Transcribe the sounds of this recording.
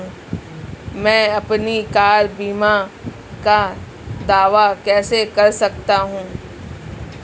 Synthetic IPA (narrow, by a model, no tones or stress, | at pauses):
mɛ̃ːɐpnikaːɾbiːma | ka | d̪aːʋakɛːsekɐɾsɐkt̪aɦũː